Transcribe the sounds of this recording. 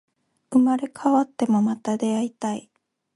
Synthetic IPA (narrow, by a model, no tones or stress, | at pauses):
ɯmaɾe̞kʰaβat̪ːe̞mo̞mat̪ad̪e̞ait̪ai